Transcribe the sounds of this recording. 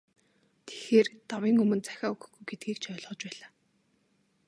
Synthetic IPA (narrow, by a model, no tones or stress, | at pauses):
t̪ʰe̥xeːrt̪awiːŋɵmɵ̆nt͡sæ̥xʲaːɵɣɵ̆xɡujɡet̪̚ɡiːkt͡ɕʰœːɮʁɔːt͡ɕpæːɮaː